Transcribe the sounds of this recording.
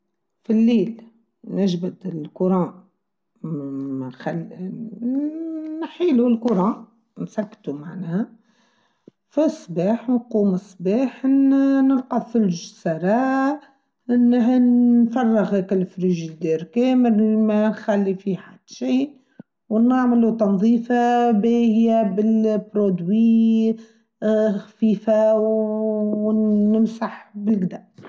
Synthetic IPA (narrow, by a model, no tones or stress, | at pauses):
filːiːl | nɪʒbad̪ɪlkʊɾˤɑ̃ː | xal | nħiːlulkʊɾˤɑ̃ː | nsakːt̪umaʕnæhæ | fisˤbɑːħnquːməsˤːbɑːħnnəɾqɑðˤfəlʒsɑɾˤɑː | ʔɪnːəɦnnfɑrˤːəɣkɪlfɾiʒid̪iɾkɛːməɾmænxælːifiħad̪̥ʃiː | wnaʕməlut̪ɑnðˤiːfabɛːhɪjabɪlpɾod̪wi | xfiːfa | əmsaħbɪlɡd̪aʔ